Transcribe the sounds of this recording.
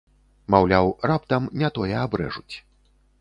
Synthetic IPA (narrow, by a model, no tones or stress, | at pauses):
mawlʲawrap̚t̪ɐmnʲɛt̪ɔjɛabɾɛ̰ʐut͡sʲ